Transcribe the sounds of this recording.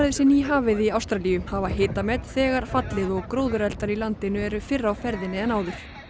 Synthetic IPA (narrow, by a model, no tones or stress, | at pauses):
ðɪsɪnːiɦaːvɪðiawst̪ɾaliʏmhavaɦeːt̪amɛt̪θɛːɣaɾ̥fat̪lɪðɔɣkɾoːwðʏɾɛlt̪aɾilant̪ɪnʏɛɾʏfɪrːawfɛɾðɪnːɪɛnaːwðʏɾ̥